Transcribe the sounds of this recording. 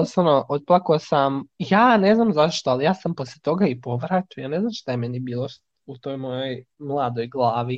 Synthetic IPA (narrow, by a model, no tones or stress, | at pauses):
posanoʔot̪̚plˠakoosamjaːne̞znamzaʃt̪oalijaːsamposlʲet̪o̞ɡaipo̞ʋɾat̪iojaːne̞znamʃt̪ajemenibiːlˠo̞ | ut̪o̞jmo̞joj | mlˠaːd̪o̞jɡlˠaːʋi